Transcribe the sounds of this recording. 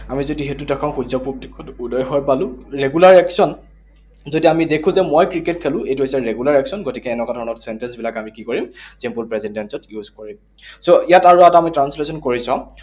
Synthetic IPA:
amizodiɦetudɛkʰãʊ̃xuzɔpublikɔtudɔjɦɔjpalʊ̃ɹeɡulaɹɛksɔn | zodiamidekʰʊ̃zɛmojkɹiket̚kʰelʊ̃ejtuɦojsɛɹeɡulaɹɛksɔnɡotikɛːnɔkadʱɔɹɔnɔtsɛntɛnsbilakamikikoɹimzɛmpulpɹezindɛnsɔtjuzkoɹim | soijataɹuataamitɹanslesɔnkoɹisã

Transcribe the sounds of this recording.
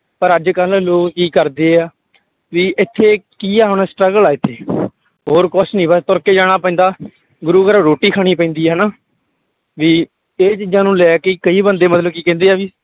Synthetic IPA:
pəɾəd͡ʒkəlːoːkkiːkəɾd̪eːaː | ʋiːʔɪt̪ʰːeːkiːaːɦneːsʈɾəɡəlaːɪt̪ʰːeː | ɦoːɾkʊt͡ʃʰnĩːbəst̪ʊɾkeːd͡ʒaːɽ̃aːpɛ̃ːnd̪aː | ɡʊɾuːkəɾoːɾoːʈːiːkʰaːɽ̃iːpɛ̃ĩnd̪iːɦɛnaː | ʋiː | eːt͡ʃiːd͡ʒãːnũːlɛːkeːkəiːbənd̪eːmət̪ləbkiːkɛ̃ːnd̪eːaːʋiː

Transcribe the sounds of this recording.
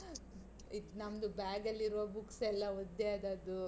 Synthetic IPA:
it̪ːnɐmd̪ubaːɡɐlːiɾuʋɐbuksɛlːɐɔd̪ːeɐd̪ɐːd̪u

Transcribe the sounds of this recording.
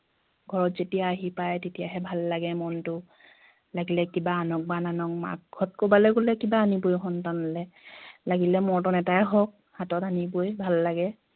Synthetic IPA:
ɡʱɔɹɔtzetijaːɦipajtetijaɦɛbʱalːaɡɛmɔntʊ | laɡilɛkibaːnɔk̚bananɔk̚ma̰kɡʰʱɔt̚kobalɛɡolɛkibaːnibojxɔntanɔlɛlaɡilɛmɔɹtɔnɛtaɛɦɔk̚ | hatɔtanibojbʱalːaɡɛ

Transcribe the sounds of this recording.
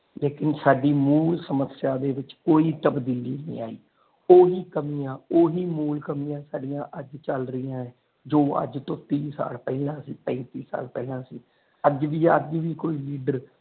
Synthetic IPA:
leːkɪnsaːɖiːmuːlsəməsɪjaːd̪eːʋɪt͡ʃkoːiːt̪əbd̪iːliːnḭ̃ːaːiː | oːɦiːkəmijãːoːɦiːmuːlkəmijãːsaːɖijãːʔəd͡ʒt͡ʃəlɾəɪjãːɛ̃ː | d͡ʒoːə̰d͡ʒt̪õːt̪iːsa̰ːlpɛːlãːsiːpɛ̃nt̪iːsa̰ːlpɛːlãːsiː | əd͡ʒʋiːə̰d͡ʒʋiːkoːiːliːɖəɾ

